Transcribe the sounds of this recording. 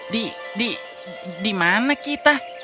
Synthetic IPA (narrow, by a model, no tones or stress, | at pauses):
di | di | dimanakit̪a